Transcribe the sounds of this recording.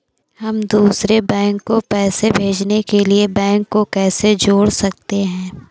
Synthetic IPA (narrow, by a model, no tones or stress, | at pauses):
ɦɐmd̪uːsɾebɛ̃ːŋkːopɛːsebʱeːd͡ʒnekeliebɛ̃ːŋkːokɛːsed͡ʒoːɽsɐk̚t̪eɦɛ̃ː